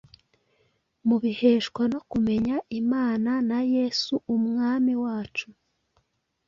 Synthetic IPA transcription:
muβihe̞ʃkwano̞kume̞ɲaʔimaːnanaje̞ːsuʔːmŋaːmiwaːt͡ʃu

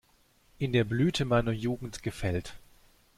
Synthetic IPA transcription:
ʔɪndeːɐblyːtʰəmaɪnɐjuːɡŋ̩tɡ̥əfɛlt

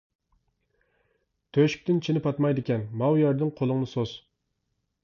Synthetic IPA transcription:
t̪ʰøʃy̥k̚ʲt̪ɪnt͡ʃʰinɪpɑt̪mɑjd̪ɪkʲɛnmɑwjɑɾd̪ɨŋqʰolˠɨŋnɨsoz̥

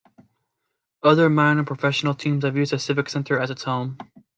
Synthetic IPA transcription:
ʌðə˞mãɪ̃nə˞pʰɹ̥əfɛʃn̩l̩ˠtʰĩmz̥ɨvjʉzdɨsɪvɨksɛ̃ntʰə˞ɨzɨtshõʊ̃m

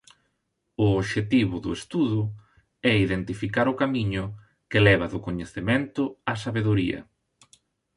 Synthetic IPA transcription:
ʊoʃet̪iβʊðʊest̪uðʊ | ɛiðent̪ifikaɾʊkamiɲʊ | kɪlɛβɐðʊkoɲeθemẽnt̪ʊasaβeðuɾiɐ̰

